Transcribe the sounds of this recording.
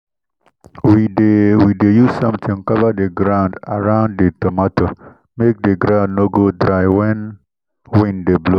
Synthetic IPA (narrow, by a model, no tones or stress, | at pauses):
widewidejusãmt̪ʰɪ̃ŋkavadeɡɾãʊ̃nda̰ɹãʊ̃nddetɔmato | mek̚d̪eɡɾãʊ̃ndnoɡodɾaɪwɛn | wĩndeblo